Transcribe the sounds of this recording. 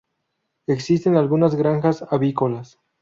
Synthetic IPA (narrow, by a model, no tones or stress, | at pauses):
eksist̪enalɣunazɡɾaŋxasaβikolas